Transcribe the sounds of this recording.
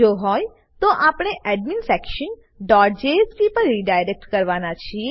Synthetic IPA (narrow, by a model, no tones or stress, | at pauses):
d͡ʒoɦɔj | t̪oʔapɽ̃eʔɛɖminfɛkʃən | ɖɔʈ̚d͡ʒespipəɾːiɖajɾek̚ʈkəɾʋanat͡ʃʰie